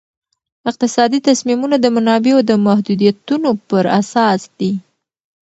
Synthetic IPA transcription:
ɪq̚t̪ɪsɑd̪it̪asmimunad̪əmanɑbeod̪əmahd̪ud̪ijat̪unopəɾasɑsd̪̥i

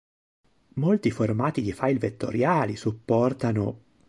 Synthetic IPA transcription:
molt̪iformaːt̪id̪ifajlvet̪ːo̰ɾjaːlisupːɔrt̪ano

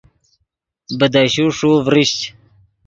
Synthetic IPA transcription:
bəd̪aɕuʂuvɾiɕt͡ɕ

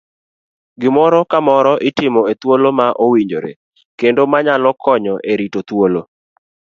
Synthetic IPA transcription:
ɡɪmɔɾɔkamɔɾɔʔɪtɪmɔet̪wolomaʔowiɲd͡ʒoɾḛ | kendomaɲalɔkʰɔɲɔʔeɾitot̪wolo

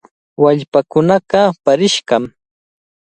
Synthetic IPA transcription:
waʎpakʊnɑqɑpaɾɪʃɢɑm

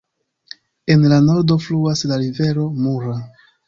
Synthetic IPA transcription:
e̞nlano̞ɾdo̞fluaslaɾive̞ɾo̞muɾa

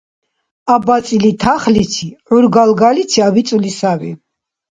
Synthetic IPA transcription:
abat̪sʼilit̪ʰaχlit̪sʰiʕuɾɡalɡalit̪sʰiavit̪sʼulisavḭ

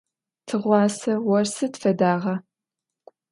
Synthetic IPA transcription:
tʰɨʁʷɑːsɐwɔrsɨtfɐdaːʁɐ

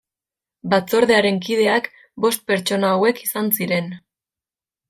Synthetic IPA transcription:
bat͡so̞ɾðe̞aɾe̞ŋkið̞e̞ak | bo̞st̪̚pe̞ɾt͡ʃo̞naːwe̞kisansiɾe̞n

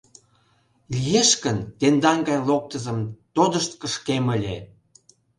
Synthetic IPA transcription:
lʲijeʃkənt̪end̪ɑŋɡɑjlok̚t̪əzəmt̪od̪əʃt̪kəʃkeməlʲḛ

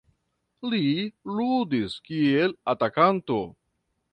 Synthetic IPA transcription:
liludiskie̞latakanto̞

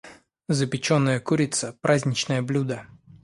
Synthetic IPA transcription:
zəpʲɪt͡ɕonːəjəkuɾʲɪt̪səpɾʔazʲnʲɪt͡ɕnəjəblʲud̪ə

